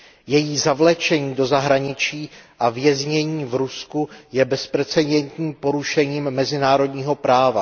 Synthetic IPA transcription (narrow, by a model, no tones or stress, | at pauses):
jɛjiːzavlɛt͡ʃɛɲiːdo̞zaɦɾaɲɪt͡ʃiːʔavjɛzɲɛɲiːvɾuskujɛbɛspɾɛt͡sɛdɛnt̪ɲiːmpo̞ɾuʃɛɲiːmːɛzɪnaːɾo̞dɲiːɦo̞pɾaːva̰